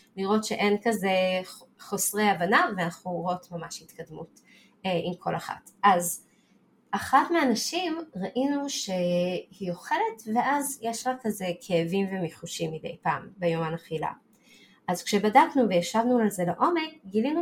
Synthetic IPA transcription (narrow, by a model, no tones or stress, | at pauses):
liʁo̞tʃeʔe̞nkaze̞χo̞sʁejavanaveanaχuʁootmamaʃhit̪kadmut | eʔimkʰo̞̰laχa̰tʔaz | ʔaχatmeanaʃimʁaʔinuʃe̞hijo̞χe̞le̞tve̞ʔazjeʃlakaze̞kʰeːvimvemiχuʃimːid̪ejpa̰ːmbejo̞manaχila̰ | ʔazkʃe̞badaknuvejaʃavnualze̞leʔo̞me̞k̚ɡilinu